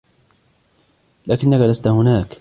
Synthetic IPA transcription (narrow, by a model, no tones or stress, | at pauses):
laːkɪnːakalast̪ahʊnaːk